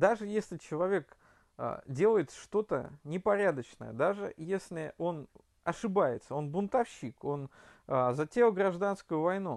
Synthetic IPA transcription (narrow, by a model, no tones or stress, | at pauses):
d̪aʐɨjesʲlʲɪt͡ɕɪlˠɐvʲe̞kː | dʲe̞lˠəjɪt̪ʂt̪o̞t̪ə̰nʲɪpɐɾʲad̪ət͡ɕnə̰jə̰d̪aʐɨ̰jesʲlʲɪo̞n | ɐʂɨbajɪt̪səo̞nbʊnt̪ɐfɕːiko̞nəzɐtʲelˠɡɾɐʐd̪anskʊjʊvɐjnu